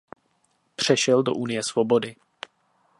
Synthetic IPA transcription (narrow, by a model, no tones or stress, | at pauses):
pr̝̥ɛʃɛldo̞ʔunɪjɛsvo̞bo̞dɪ